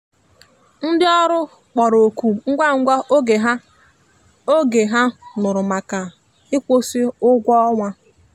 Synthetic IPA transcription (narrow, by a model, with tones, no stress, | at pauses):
n̩˦dɪ˦ɔ˦ɾʊ˦ | k͡pɔ˨ɾo˨kʷu˨ŋ̩˦ɡʷa˦ŋ̩˦ɡʷa˦ʔo˦ɡe˨ɦa˦ | o˦ɡe˨ɦa˦nʊ˨ɾʊ˨ma˨ka˨ | ɪ˦kʷo˦si˦ʊ˦ɡʷɔ˦ɔ˦ŋʷa˦